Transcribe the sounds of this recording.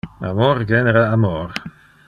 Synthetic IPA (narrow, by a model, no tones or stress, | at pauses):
a̰mɔɾɡɛnɛɾaamɔɾ